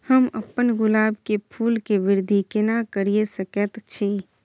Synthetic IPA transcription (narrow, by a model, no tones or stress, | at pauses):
həmə̰pːənɡʊlaːbkepʰuːlkeʋɪɾd̪ʱikɪnakəɾiesəkət̪t͡ʃʰe